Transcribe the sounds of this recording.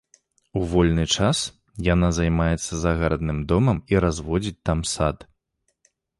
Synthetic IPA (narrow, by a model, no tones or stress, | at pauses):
uvɔlʲnɨt͡ʂas | janazajmajɛt̪sːɐzaɣaɾɐd̪nɨmd̪ɔmɐmiɾazvɔd͡zʲit͡sʲt̪amsat̪